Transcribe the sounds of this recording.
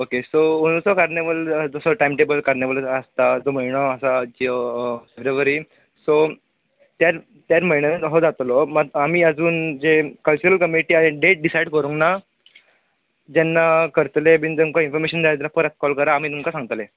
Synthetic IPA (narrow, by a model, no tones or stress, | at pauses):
okesouñsɔkaɾneʋəld͡zəsɔʈajmʈebəlkaɾneʋələst̪ad͡zom̤əiɽ̃ɔəsad͡ʑifeʋɾeʋəɾiː | so | t̪jaɾ | t̪jaɾməiɳ̃enəɾɦod͡zat̪lɔmaamiːəd͡zuːnd͡zekəlt͡ɕuɾəlkəmiʈiːaẽɖeʈ̚ɖisaiɽkəɾũŋkna | d͡ʑanːakəɾt̪lebind͡zəŋkainfɔɾmeɕənd͡zaẽt̪lafəɾat͡s̪̚kɔlkəɾaːm̤iːt̪umkasãŋɡt̪le